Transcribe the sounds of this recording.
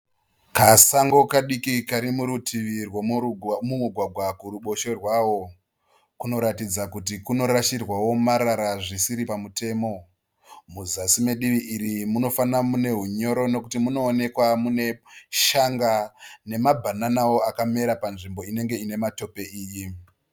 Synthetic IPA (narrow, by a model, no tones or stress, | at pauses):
kasaŋɡo̞kaɗikikaɾimuɾutʰiʋirwomumuɡʱwaɡʱwakuɾuɓo̞ʃe̞rwaːwo̞ | kuno̞ɾatid͡zakut̬ikuno̞ɾaʃirwawo̞maɾaɾaʐisiɾipamute̞ːmo̞ | muzasimeɗiʋiʔiɾimuno̞fanamune̞ɦuɲo̞ɾo̞no̞kutimuno̞ːne̞kwamune̞ʃaŋɡane̞mabʱananawo̞akame̞ɾapanʐimbo̞ine̞ŋɡe̞ine̞mato̞pe̞iːji